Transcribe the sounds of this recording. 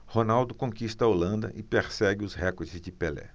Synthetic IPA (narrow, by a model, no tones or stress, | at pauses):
honawd̪ʊkõkist̪ɐolɐ̃nd̪ɐ̰ʔɪpeɾsɛɡɪʊzhɛkoɾd͡ʒɪzd͡ʒɪpelɛ̰